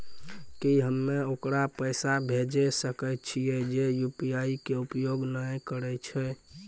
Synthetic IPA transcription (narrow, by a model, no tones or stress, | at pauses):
kiɦəmːeokɾapəjsabʱed͡ʒesəkəj̪t͡ʃʰijɛd͡ʒejupiaikeupjoɡnəjkəɾɛt͡ʃʰɛ